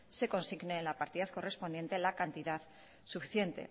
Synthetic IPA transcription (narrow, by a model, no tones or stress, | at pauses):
se̞ko̞nsiɣneːnlapaɾt̪iðaθko̞re̞spo̞nd̪je̞nt̪e̞lakant̪iðað | sufiθje̞nt̪e̞̰